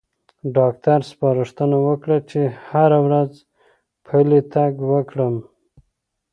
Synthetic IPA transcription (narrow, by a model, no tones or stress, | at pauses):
ɖɑk̚t̪aɾspɑɾəʂt̪ənawəkɽat͡ʃehaɾawɾaz | pʰalet̪aɡwəkɽəm